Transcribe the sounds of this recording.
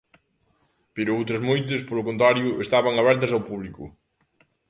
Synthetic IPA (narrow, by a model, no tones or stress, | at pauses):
peɾʊowt̪ɾɐzmojt̪̬ɐspolʊkõnt̪̬ɾaɾjʊest̪aβɐŋaβɛɾt̪ɐsawpuβlikʊ̰